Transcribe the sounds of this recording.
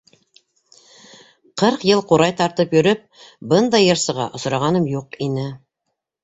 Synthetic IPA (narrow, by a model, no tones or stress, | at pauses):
qʰɤɾqjɤlˠquɾɑjt̪ɑɾt̪ɤpjɵ̆ɾɘp̚bɤnd̪ɑjɤ̆ɾsɤ̆ʁɑ̰ʔŏsɾɑʁɑnɤmjuqinɘ